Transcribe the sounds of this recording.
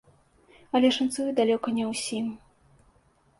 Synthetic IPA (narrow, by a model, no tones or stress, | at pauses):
ɐlʲɛʂant̪sujud̪alʲɔkɐnʲɛwsʲim